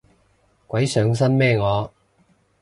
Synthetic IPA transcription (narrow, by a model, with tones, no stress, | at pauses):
kʷɐ˨˥jsœː˨˧ŋs̬ɐ˥nmɛː˥˧ŋɔː˨˧